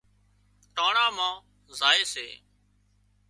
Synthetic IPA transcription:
ʈaːɳãːmãː | zaːeːsḛː

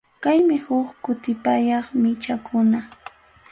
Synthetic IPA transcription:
kajmɪhʊkkʊt̪ɪpajɑχmɪt͡ʃakʰʊna

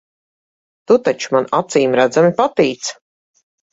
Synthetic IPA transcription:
t̪ut̪at͡ʃu̥manat̪siːmɾæd̪zamipat̪iːt̪s

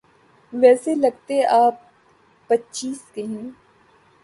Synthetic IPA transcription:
ʋɛːselɐɡt̪eʔaːp̚ː | ɐtːt͡ʃiːskeɦɛ̃ː

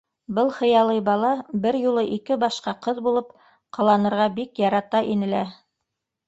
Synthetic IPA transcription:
bɤlˠχɤ̆jɑlˠɤjbɑlˠɑbɘɾjulˠɤʔikɘbɑʃqɑqɤðbulˠɤp | qʰɑ̆lˠɑnɤ̆ɾʁɑbikjɑɾɑt̪ɑʔinɘ̆læ

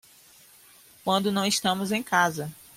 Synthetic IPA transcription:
kwɐ̃nd̪ʊnɐ̃w̃ɪʃt̪ɐ̃mʊzẽj̃kazɐ

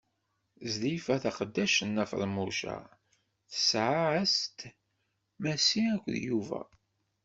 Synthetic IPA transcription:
zðifæθaqəd̪ːæʃənːæfə̰ɾˤmuʃæ̰ | θə̥sʕaæst̪ | mæsiækʷðjuvæ̰

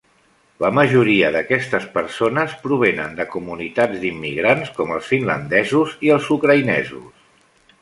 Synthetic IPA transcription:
ləməʒuɾiəðəkɛst̪əspəɾsonəspɾuβ̞enə̰nd̪əkumunit̪ad͡zd̪imːiɣɾanskɔmə̰lˠsfinlə̰nd̪ɛzuziəlˠzukɾəinɛ̰zṵs

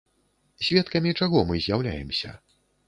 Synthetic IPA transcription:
sʲvʲɛt̪kɐmʲit͡ʂaɣɔmɨzʲjawlʲa̰jɛmsʲɐ̰

